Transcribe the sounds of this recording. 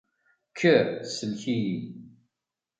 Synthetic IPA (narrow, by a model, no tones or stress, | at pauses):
kʰːəsəlçiji